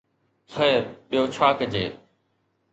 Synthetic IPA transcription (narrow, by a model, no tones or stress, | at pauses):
t͡sʰəjəɾɓijoːt͡ɕʰaːkd͡ʑeː